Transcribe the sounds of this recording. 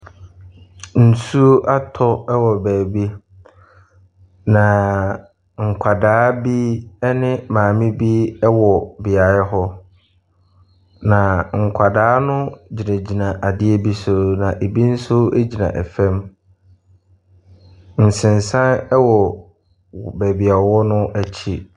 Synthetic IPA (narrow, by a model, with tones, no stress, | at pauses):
n̩˨su˦o˦ʔa˦tʰɔ˦ɛ˦wɔ˨bæː˨bi˦ | nã˨ | ŋ̩˨kʷʰa˨daː˦bi˦ɛ˦nɪ̃˦mãː˨mɪ̃˦bi˦ɛ˦wɔ˨bɪ˨a˨˦ɦɔ˦ | nã˨ŋ̩˨kʷʰa˨daː˦nʊ̃˦d͡ʑi˨nẽ˨d͡ʑi˨nã˨ʔa˨dɪ˦ɛ˦bi˦sʊ˦nã˨ʔe˨bi˦n̩˦sʊ˦e˦d͡ʑi˨nã̰˨ʔɛ˨fɛ̃˦m | n̩˨sɪ̃˨nsã˦nɛ˦wɔ˨ | bæː˨bi˨a˨wɔ˦nʊ̃˦ʔæ˨t͡ɕʰi˦